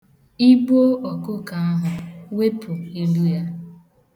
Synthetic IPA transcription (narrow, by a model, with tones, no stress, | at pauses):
i˦ɡ͡bo˦ʔɔ˨kʊ˦ka˨a˦ɦʊ˨we˦pʊ˨i˦lu˦ja˦